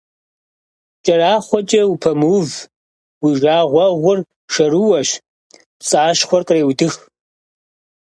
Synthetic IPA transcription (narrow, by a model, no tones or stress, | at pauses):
t͡ʃʼɐɾaːχʷɔt͡ʃʼɐwupʰɐmuːv | wiʒaːʁʷɐʁʷʊr | ʃɐɾuwɐɕ | psʼaːʃχʷɔrqʼreːwdɨx